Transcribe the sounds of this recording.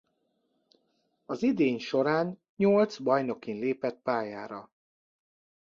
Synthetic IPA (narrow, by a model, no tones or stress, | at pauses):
ɒzid̪eːɲʃo̞ɾaːn | ɲolt̪sbɒjno̞kinleːpɛt̪̚paːjaːɾɒ